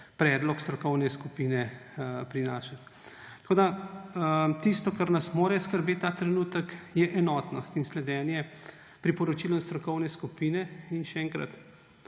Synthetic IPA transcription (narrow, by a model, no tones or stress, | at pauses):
pɾɛd̪lɔkst̪ɾɔkɔwnɛskupinɛpɾinaːʃat̪ | t̪ɐkoːd̪a | t̪ist̪ɔkaɾnasmoːɾɛskəɾbeːt̪ːaːt̪ɾɛnuːt̪əkjɛʔɛnɔːt̪nɔst̪inslɛd̪ɛːnjɛ | pɾipɔɾɔt͡ʃiːlɔnst̪ɾɔkɔwnɛskupinɛinʃɛɛŋkɾɐ̰t̪